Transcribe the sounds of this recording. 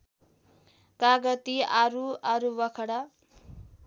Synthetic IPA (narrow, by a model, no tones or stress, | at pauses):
kaɡʌt̪iaɾuaɾubʌkʰʌɽa